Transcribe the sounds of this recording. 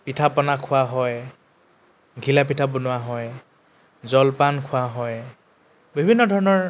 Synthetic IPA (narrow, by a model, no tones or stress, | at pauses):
pitʰapɔnakʰʊaɦɔj | ɡʱilapitʰabɔnʊwaɦɔj | zɔlpankʰʊwaɦɔj | bʱibʱinːɔdʱɔɹɔnɔɹ